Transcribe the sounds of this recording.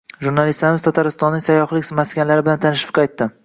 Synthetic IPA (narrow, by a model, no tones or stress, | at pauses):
ʒuɾnalɪst̪laɾɪmɪzt̪ʰat̪ʰaɾɪst̪ɒnːɪŋʲsajːɒχlɪkʲsmaskʲanlaɾɪbɪlant̪ʰanɪʃɪ̥p̚qʰɑjt̪ːɪ